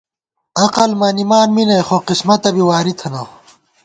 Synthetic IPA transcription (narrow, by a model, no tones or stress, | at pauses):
ɐqɐlmɐnimaːnminɐjxoqismɐt̪ɐbiwaːɾit̪ʰɐnɐ